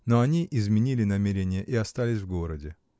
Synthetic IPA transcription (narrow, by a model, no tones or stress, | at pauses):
noɐnʲiʔɪzmʲɪnʲilʲɪnɐmʲeɾʲɪnʲɪjəʔɪɐst̪alʲɪsʲvɡo̞ɾədʲɪ